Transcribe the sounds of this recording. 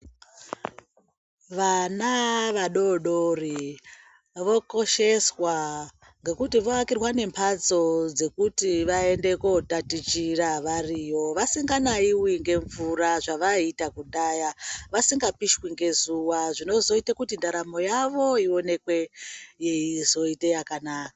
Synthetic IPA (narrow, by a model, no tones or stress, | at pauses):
ʋanaʋaɗo̞ɗori | ʋo̞ko̞ʃe̞swa | ŋɡe̞kutiʋoakirwane̞mpʰad͡zo̞d͡ze̞kutiʋae̞nde̞kotatit͡ʃiraʋarijo̞ʋasiŋɡanaiwiŋɡe̞ɱvuraʐaʋaitakuɗajaʋasiŋɡapiʃwiŋɡe̞zuwaʐino̞zo̞itekutindaɾamo̞jaʋo̞io̞ne̞kwe̞jeizo̞itejakanaːka